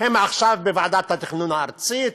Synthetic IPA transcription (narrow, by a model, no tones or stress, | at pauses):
hemaχʃavbevaʕd̪at̪hat̪iχnunaːɾt͡sit̪